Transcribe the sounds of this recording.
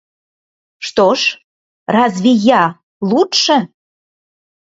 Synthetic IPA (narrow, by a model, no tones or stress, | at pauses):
ʃt̪oʃ | rɑzβʲijɑ | lˠut̪ʃə̆